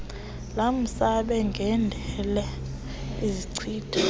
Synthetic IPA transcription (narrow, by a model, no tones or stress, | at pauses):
lam̩saɓɛŋɡʱɛndʱɛlɛ | iziǀʰiːd̥ʰʱa